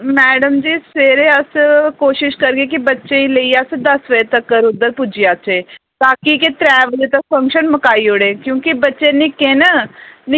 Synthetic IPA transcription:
mɛːɖəmd͡ʒiːseːɾeəskoːʃɪʃkɐɾkek̬ibɐtːʃẽĩleiasd̪ɐsʋɐet̪ɐkːɐɾʊd̪ːəɾpʊd͡ʒijaːt͡ʃe | t̪aːkiket̪ɾɛːʋəlet̪ɐk̚fɐ̃ŋkʃənmɐkaːioɽẽːkjõːkibɐtːʃenɪkẽːnənɪ

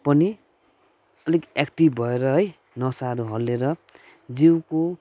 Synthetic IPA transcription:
pʌni | ʌlekekʈibbʱʌeɾʌɦʌj | nʌsaɾuɦʌlːeɾʌ | d͡ziwko

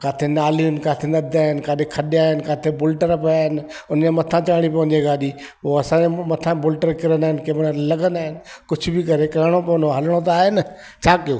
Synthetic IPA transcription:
kaːt̪ʰenaːliʊnɪ̆kaːt̪ʰenɐd̪ʱaːɦɪnɪ̆kaːɗekʰɐɗɪaːɦɪnɪ̆kaːt̪ʰebʊlʈəɾpɐjaːɦɪnɪ̆ | ʊnmẽmɐt̪ʰãt͡ɕaːɪɽ̃ipɐ̃ɦɪ̃ɲd͡ʑeɡaːɗi | poːɐsãemɐt̪ʰãbʊlʈəɾkɪɾənaːɦɪnɪkemɽəlɐɡənaːɦɪnɪ̆kʊd͡ʑʰʱʊbɪkɐɾekɐɦɪɽ̃opɐʊ̃noɦɐləɽ̃ot̪̬aːɦenə | t͡ɕʰaːkijoː

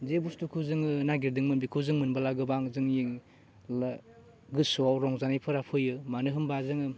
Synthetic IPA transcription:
zebustukʰuzɯŋɯnaɡiɾdɯŋmɯnbikʰuzɯŋmɯnbalaɡɯbaŋzɯŋjiŋ | la | ɡɯsuawɾɔŋzanajpʰɯɾapʰɯjɯmanɯɦɯmbazɯŋɯ

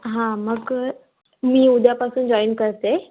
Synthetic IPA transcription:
ɦãmɐɡ | mĩːʊd̪ʱjapasũnd͡ʑɔːɪnkəɾt̪e

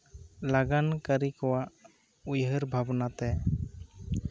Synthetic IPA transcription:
laɡankəɾikɔwaʔ | ujɦəɾbʱabnat̪ɛ

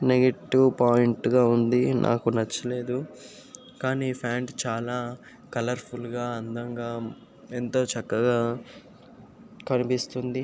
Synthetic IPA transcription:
neɡeʈiwpaːjiɳʈɡaːund̪inʔa̰ːkunɐt͡ʃːɐle̞ːd̪u | kaːniːpʰaːɳɖt͡ʃaːlaː | kɐlɐɾpʰulɡaːɐnd̪ɐŋɡaː | ent̪o̞ːt͡ʃɐkːɐɡaː | kɐnipist̪und̪i

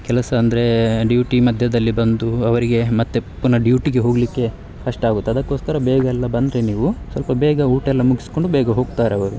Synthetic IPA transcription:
kɛlɐsɐːnd̪ɐɾe̞ɖjuːʈimɐd̪ʱjɐd̪ɐlːibɐnd̪uɐʋɐɾiɡe̞mɐt̪ːepːunɐɖjuʈiɡe̞ɦo̞ːɡlikːe̞ | kɐʂʈɐaːɡut̪ːeɐd̪ɐkːo̞ːskɐɾɐbɛːɡɐɛlːɐbɐnd̪ɾe̞niːʋusʋɐlpɐbɛːɡɐuːʈɛlːɐmuɡisko̞ɳɖubɛːɡɐɦo̞ːɡt̪aːɾeɐʋɐɾu

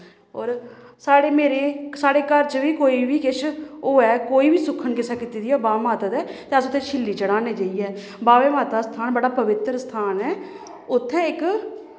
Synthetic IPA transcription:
ɔːɾsaːɽeːmeːɾeːsaːɽeːkəɾt͡ʃʋiːkoːiːʋʱiːkɪt͡ʃʰoːɛːkoːiːbiːsʊkʰənkɪsaːkit̪iːd̪iːɔːbaːʋeːmaːt̪ad̪ɛːt̪eːəsʊt̪ʰːẽːt͡ʃʰɪlːiːt͡ʃəɽaːneːd͡ʒaiːɛː | baːʋeːmaːt̪aːst̪ʰaːnbəɽaːpəʋɪt̪ɾst̪ʰaːnɛː | ʊt̪ʰːɛ̃ːɪk

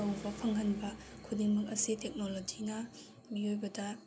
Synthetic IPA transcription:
ɐwbɐpʰɐŋɦɐnbɐkʰudiŋmɐk̚ɐsitek̚nolod͡ʒinɐ | miojbɐdɐ

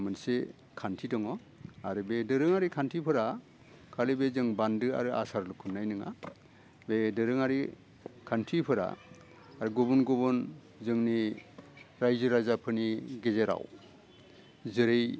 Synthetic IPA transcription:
mɯnse | kʰantʰidɔŋɔ | aɾɯbedɯɾɯŋaɾikʰantʰipʰɯɾa | kʰalɯbezɯŋbandɯa̰ɾɯa̰saɾlukʰɯnːajnɯŋa̰ | bedɯɾɯŋaɾi | kʰantʰipʰɯɾa̰ː | ɾɯɡubunɡɔbɯn | zɯŋni | ɾajzɯɾajzapʰɯniɡezeɾa̰w | zɯɾej

